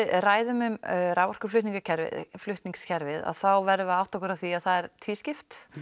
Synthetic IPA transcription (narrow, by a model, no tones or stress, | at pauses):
raːjðʏmʏmɾaːwvɔr̥kʏ̥ɾflʏht̪niŋkacʰɛɾvɪ̰ðflʏht̪niŋkscʰɛɾvɪða̰ðθawvɛɾððʏawht̪ɔkʏɾawθiaðθaðɛɾt̪ʰiːscɪft̪